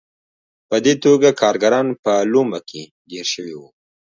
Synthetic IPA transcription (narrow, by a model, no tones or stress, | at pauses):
pəd̪et̪oɡakʰɑɾɡaɾɑnpəlomakʰe | ɡeɾʃəwiwu